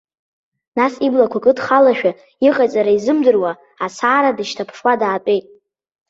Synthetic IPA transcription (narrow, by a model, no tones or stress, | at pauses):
nasiblakʷʰakʼɨdχalaʃᶣa | iqʼat͡sʼaɾaizɨmdɨrwa | asaːɾadɨʃtʰapʰʂwadaːtʷʼe̞jtʼ